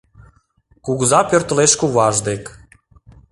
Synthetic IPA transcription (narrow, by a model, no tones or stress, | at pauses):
kuɣzɑpørt̪əleʃkuβɑʒd̪ek